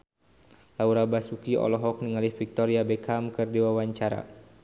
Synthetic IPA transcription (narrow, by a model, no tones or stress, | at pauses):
lauɾabasukiɔ̰lɔɦɔk̚niŋalihfik̚t̪ɔɾiabɛkamkɨrdiwawaɲt͡ʃaɾa̰